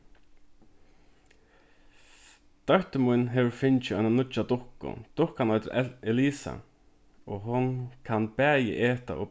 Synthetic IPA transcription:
t̪aɹ̥t̪ɪmʊjnɦɛːʋʊɾfɪɲt͡ʃɪœjnanʊt͡ʃːad̪ʊhkʊ̰d̪̥ʊhkanɔjt̪ɪɾɛliːsa̰ | ɔɦʊnkʰanbɛːjɪ̰ʔeːt̪a̰ʔɔ̰

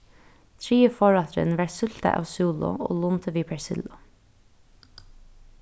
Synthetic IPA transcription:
t̪ʰɹiːəfɔɹɑt̪ɾə̰nʋɑːɹsʏl̥t̪ə̰ʔa̰ːʋsuːlʊ̰ʔo̰ːlunt̪ʰəʋiːpʰɛɹsɪ̰lʊ

